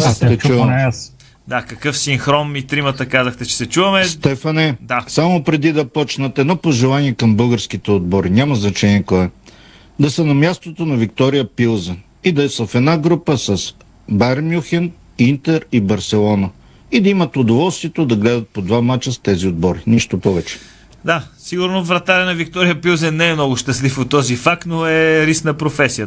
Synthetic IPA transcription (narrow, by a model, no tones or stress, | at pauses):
ɛt͡ʃuvɐm | d̪akɐkɤfsiŋxɾɔmit̪ɾimət̪əkazəxt̪ɛt͡ʃɛ̥sɛt͡ʃuvɐmɛst̪ɛfɐnɛd̪asamopɾɛd̪id̪ɐpɔt͡ʃnət̪ɛd̪nɔpoʒɛlˠaniɛkɐmbɤlˠɡəɾsk̟it̪ɛod̪̚bɔɾinʲamɐznɐt͡ʃɛniɛkɔɛ | d̪ɐsɐnɐmjast̪ot̪onɐvikt̪ɔɾijəpilˠzɛn | id̪ɐɛsəfɛd̪naɡɾupəsɐs | baɾmjuxɛn | int̪ɛɾibɐɾsɛlˠɔnə | id̪ɐimət̪ʊd̪ovɔlˠst̪viɛt̪od̪ɐɡlɛd̪ət̪̚pod̪vamat͡ʃəst̪ɛziod̪̚bɔɾiniʃt̪opɔvɛt͡ʃɛ̥ | d̪asiɡʊɾnovɾɐt̪aɾɛnɐvikt̪ɔɾijəpilˠzɛnːɛːmnɔɡʊʃt̪əslifot̪ːɔzifak̚t̪noɛɾisnɐpɾofɛsiə